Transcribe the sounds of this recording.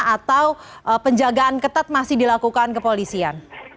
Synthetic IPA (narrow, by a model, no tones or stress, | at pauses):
at̪awʔəpəɲd͡ʒaɡaʔankət̪at̪̚masɪhdilakukankəpolisian